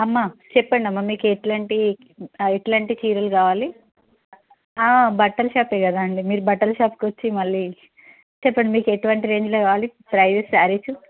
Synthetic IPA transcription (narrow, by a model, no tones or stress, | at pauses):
ɐmːat͡ʃɛpːɐɳɖiɐmːamiːkueʈlɐɳʈi | eʈlaɳʈit͡ʃiːɾɐlkaːʋaːli | aːbɐʈːɐlʃaːpeːɡɐd̪aːɐɳɖimiːɾubɐʈːɐlʃaːpkʋɐt͡ʃːimɐɭːi | t͡ʃɛpːɐɳɖimiːkueʈuʋɐɳʈiɾe̞ːɲd͡ʒloːkaːʋaːlipɾɐjʋessaːɾit͡ʃu